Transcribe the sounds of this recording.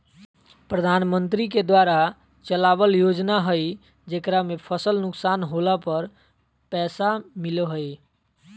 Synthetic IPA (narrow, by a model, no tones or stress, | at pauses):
pɾəd̪ʱanmənt̪ɾiked̪waɾa | t͡ʃəlabəljod͡ʒnaɦəj | d͡ʒekɾamepʰəsəlnuksanɦolapəɾ | pɛsamileɦəj